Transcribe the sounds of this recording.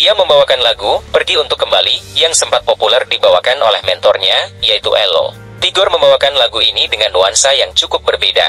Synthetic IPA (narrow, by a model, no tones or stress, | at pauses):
iaməmbawakanlaɡupərɡiunt̪ʊkːəmbalijaŋsəmpat̪̚populɛrdibawakano̰lɛhmɛnt̪ɔrɲaijait̪ṵʔɛlo̰ | t̪iɡɔrməmbawakanlaɡuinidəŋanːuansajaŋt͡ʃukʊp̚bərbeda̰